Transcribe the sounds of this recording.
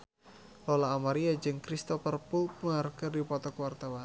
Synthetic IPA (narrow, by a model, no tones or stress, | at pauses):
lɔlaːmaɾiad͡ʒɨŋkɾist̪ɔfərpumarkɨrdipɔt̪ɔkəwart̪awan